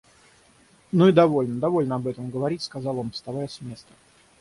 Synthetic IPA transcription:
nuid̪ɐvo̞lʲnəd̪ɐvo̞lʲnəɐbɛt̪əmɡəvɐɾʲitʲskɐzɑlˠo̞nfst̪ɐvajəsʲmʲe̞st̪ə̥

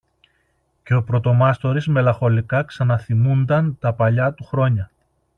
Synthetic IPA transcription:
ce̞o̞pɾo̞t̪o̞mɐst̪o̞ɾizme̞lɐxo̞likɐksɐnɐθimund̪ɐnt̪ɐpɐʎɐt̪uxɾo̞ɲɐ

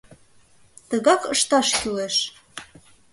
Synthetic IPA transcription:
t̪ə̆ɣɑkɤʃt̪ɑʃkyleʃ

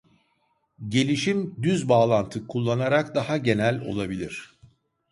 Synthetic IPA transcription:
ɟe̞lʲiʃimd̪yzbaːlˠant̪ʰɯkʰulˠːanaɾakd̪ahaɟe̞nælʲo̞̰lˠabilʲiɾ̥

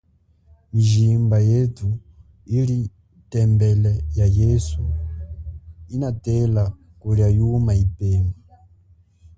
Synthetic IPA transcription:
miʒimbajetʰu | ili | tɛmbɛlɛjajɛsu | inatɛla | kuɾajumaipɛːma

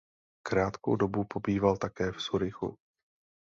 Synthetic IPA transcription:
kɾaːt̪ko̰wdo̞bupo̞biːvalt̪akɛːfsuɾɪxṵ

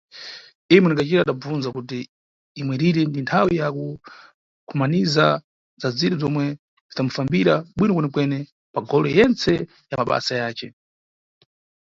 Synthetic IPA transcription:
imwɛnikat͡ʃiɾaːɗab͡vunzakutiː | mwɛɾiɾɛndintʰawijaku | kʰumaniza | zad͡ziɾizɔmwɛ | zitamufambiɾaɓwinɔkwɛnɛkwɛnɛ | paɡɔlɔjɛnt͡sʰɛ | jamaɓa̰sajaːt͡ʃɛ

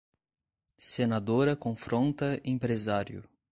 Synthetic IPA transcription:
senad̪oɾɐkõfɾõnt̪ɐẽpɾezaɾjʊ̰

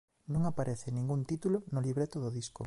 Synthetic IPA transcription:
nõŋapaɾʔeθɪnĩŋɡunt̪it̪ulonoliβɾet̪oðʊðisko̰

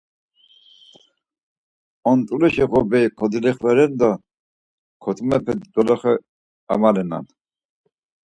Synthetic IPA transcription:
ɔnt̪ʼulɛʃɛɣɔbɛkʰɔd̪ilɛχvɛɾɛnd̪a | kʰɔt̪ʰʼmɛpʰɛd̪id̪ɔlɔχɛ | a̰malɛna̰n

